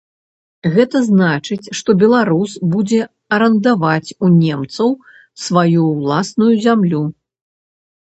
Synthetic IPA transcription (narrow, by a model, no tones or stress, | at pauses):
ɣɛt̪ɐznat͡ʂɨt͡sʲʂt̪ɔbʲɛlˠaɾusbud͡zʲɛ | ɐɾɐnd̪avat͡sʲunʲɛmt̪sɐw | svajulˠasnujuzʲamlʲu